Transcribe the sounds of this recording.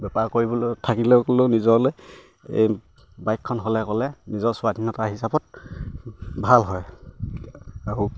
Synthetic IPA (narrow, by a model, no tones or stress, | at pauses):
bɛpaɹkoɹibɔlotʰakilɛkɔleʊnizɔɹloj | ḛj | bajkʰːɔnɦolɛkɔlɛnizɔɹsʊwadʱinɔtaɹɦisabɔt̚ | bʱalɦɔj | aɹu